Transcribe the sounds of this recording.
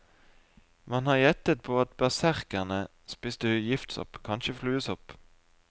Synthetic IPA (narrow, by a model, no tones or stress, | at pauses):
mɑnhɑːjɛt̪ət̪̚pʰoːɑt̪̚bæsæʁkəʁnə | spɪsd̪ʉjɪft̪sɔ̰pkʰɑnʃəflʉːəsɔp